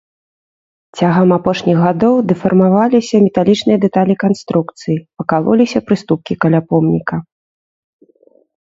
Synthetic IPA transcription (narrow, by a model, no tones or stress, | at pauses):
t͡sʲaɣɐmapɔʂnʲiɣɣad̪ɔwd̪ɨfɐrmavalʲisʲɐmʲɛt̪alʲit͡ʂnɨjɐd̪ɛt̪alʲikanst̪ɾukt̪sɨjipɐkalˠɔ̰lʲisʲɐpɾɨst̪up̚kʲikɐlʲapɔmnʲikɐ